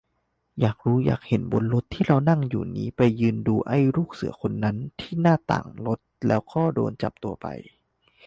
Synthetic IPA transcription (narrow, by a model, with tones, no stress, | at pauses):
jaː˨˩k̚ɾuː˦˥ja̰ː˨˩k̚he˨˩˦nbo˧nlo˦˥t̪ʰːiː˥˩ɾa˧wna˥˩ŋjṵː˨˩nḭː˦˥pa˧jːɯː˧nduː˧ʔa˥˩jɾuː˥˩k̚sɯ̰˨˩˦ɐkʰo˧nːa˦˥nt̪ʰiː˥˩naː˥˩t̪a̰ː˨˩ŋlo˦˥t̪̚lɛ̰ː˦˥wkʰɔː˥˩do̰ː˧nt͡ɕa̰˨˩p̚t̪u˧ɐpa̰˧j